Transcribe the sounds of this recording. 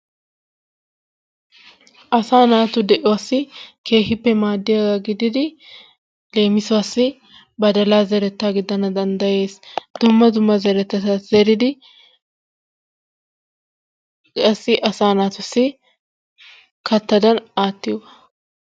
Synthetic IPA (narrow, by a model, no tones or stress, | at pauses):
ʔɐsaːnaːt̪ʊd̪ɛʔɪwasːɪkʰe̞ːhɪpːɛmaːd̪ːɪjɐɡɐɡɪd̪ɪd̪ɪ | le̞ːmɪsʊasːɪ | bɐd̪ɐlaːzɛɾɛt̪ːaːɡɪd̪ɐnɐd̪ɐnd̪ɐje̞ːsd̪̥ʊmːɐd̪ʊmːɐzɛɾɛt̪ːɐɐzɛɾɪd̪ɪ | kʼɐsːɪʔɐsaːnaːt̪ʊsːɪ | kʰɐt̪ːɐd̪ɐnaːt̪ːɪjɔ